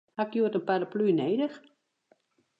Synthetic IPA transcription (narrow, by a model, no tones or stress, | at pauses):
hakjuətənpaləplyːneːdəx